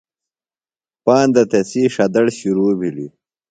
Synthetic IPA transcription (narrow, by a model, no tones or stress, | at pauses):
paːnd̪ɐt̪esiːʂɐd̪ɐɽɕuɾuːbʱilḭ